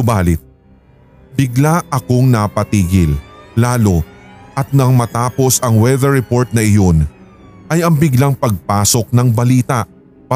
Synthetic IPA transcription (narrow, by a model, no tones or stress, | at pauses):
ʊbaːlɪt̪̚ | bɪɡlaʔɐko̞ŋnapɐt̪iːɡɪlːaːlo̞ʔɐt̪̚nɐŋmɐt̪aːpo̞sɐŋwɛðɛɹɛpo̞ɹt̪̚nɐʔɪjo̞n | ʔɐjɐŋbɪɡlaŋpɐɡ̚paːso̞k̚nɐŋbɐliːt̪ɐʔ